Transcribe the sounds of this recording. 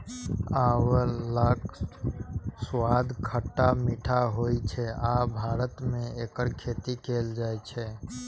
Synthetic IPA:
aːwəlaːk | swaːd̪ʱkʰəʈːamiːʈʰaɦoːit͡ʃʰɛaːbʱaːɾət̪mẽeːkəɾkʰeːt̪ikeːld͡ʒaːet͡ʃʰɛ

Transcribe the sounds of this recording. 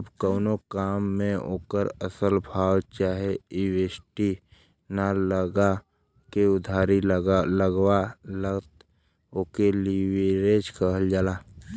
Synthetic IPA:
bkəːnokaːmːẽo̰ːkəɾəsəlbʱaːwt͡ʃaːɦeiweːsʈi | naləɡa | keʊd̪ʱaːɾiləɡwaləɡt̪ | oːkeliweɾed͡ʒkəɦəld͡ʒaːlaː

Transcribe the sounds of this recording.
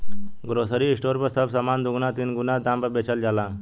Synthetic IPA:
ɡɾosəɾiisʈoɾpəɾsəbsəmand̪uɡnat̪inɡunad̪ãmpəɾbet͡ɕald͡ʑala

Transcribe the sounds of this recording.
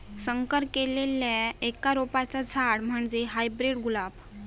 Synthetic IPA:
səŋkəɾkeleljaekaɾopat͡sad͡zʱaɽm̤əɳd͡zeɦajbɾeɽɡulap

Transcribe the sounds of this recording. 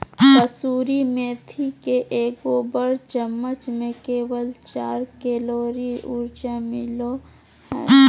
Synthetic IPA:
kəsuːɾimẽːt̪ʰikeʔeːkoːbəɽt͡ʃəmːət͡ʃmẽkeːwəlt͡ʃaːɾkeːloːɾiʊɾd͡ʒamɪlo

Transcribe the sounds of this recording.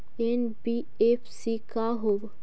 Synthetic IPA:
enbi | epʰsikaɦob

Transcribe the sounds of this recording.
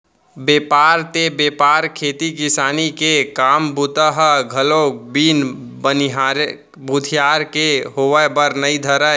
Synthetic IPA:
beːpaːɾt̪ebeːpaːɾkʰeːt̪ikɪsaːnikekaːmbut̪əɦəɡʱəloːk̚biːnbənɦaɾ | bud̪ʱijaːɾkeɦoʋəbəɾnəid̪ʱəɾə

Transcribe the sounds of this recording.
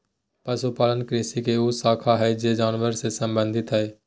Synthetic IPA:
pəsupaːlənkɾɪsikeusaːkʰaɦɛd͡ʒed͡ʒaːnʋəɾsesə̃mbə̃nd̪ʱɪt̪ɦɛː

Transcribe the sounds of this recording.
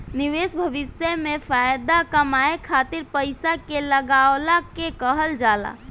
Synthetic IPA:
niʋesbʱəʋɪsjəmẽfʰajd̪akəmaekʰaːt̪iɾpəɪsakeləɡawlakekəɦəld͡ʒaːla̰

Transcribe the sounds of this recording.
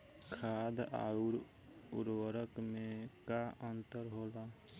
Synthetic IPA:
kʰaːd̪a̰ːuɾ | ʊɾwəɾəkmẽkaʔənt̪əɾɦoːla

